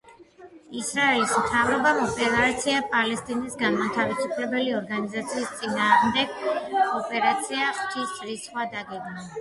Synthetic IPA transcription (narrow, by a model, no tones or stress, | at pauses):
isɾaɛlismt̪ʰavɾɔbamɔpʼɛlˠat̪sʰiapʼalɛst̪ʼinisɡanmat̪ʰavisupʰlɛbɛliɔɾɡanizat̪sʰiːst̪sʼinaːʁmd̪ɛɡ̥ɔpʼɛɾat̪sʰiaχt͡ʃ̪ʰisʼɾisχwad̪aɡɛɡna